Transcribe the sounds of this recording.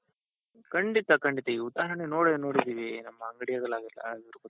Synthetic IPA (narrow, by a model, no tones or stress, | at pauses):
kɐɳɖit̪ɐkɐɳɖit̪ɐiud̪aːɦɐɾɐnenoːɽenoːɽid̪iːʋinɐmːɐːŋɡɐɽijɐɡɐɭaːɡilːɐ̰ɡɐɾuko